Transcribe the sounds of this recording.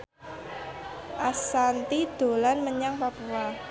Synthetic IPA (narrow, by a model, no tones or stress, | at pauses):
ʔasant̪id̪̥o̤lanməɲaŋpapua